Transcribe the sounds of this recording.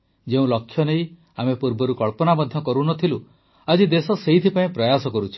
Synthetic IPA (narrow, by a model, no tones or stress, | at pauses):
d͡ʒeũlɔkʰːjɔnej | amepuɾbɔɾukɔɭpɔnamɔd̪ʱjɔkɔɾunɔt̪ʰilu | ad͡ʒid̪esɔseɦit̪ʰipaĩpɾɔjasɔkɔɾut͡ʃʰi̥